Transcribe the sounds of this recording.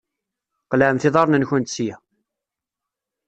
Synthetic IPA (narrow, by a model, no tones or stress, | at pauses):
qləʕəmθɪðˤɑɾˤnənçənt̪sjæ